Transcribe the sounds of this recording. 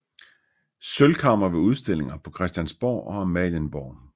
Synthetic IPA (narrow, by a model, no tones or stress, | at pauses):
sølkʰɑ̈m̰ɐʋe̝uð̞ˠsd̥e̝l̰e̝ŋɐpʰɒ̽kʰʁɛsd̥jænsb̥ɒ̰ːʔɒ̽æmɛlənb̥ɒ̰ːn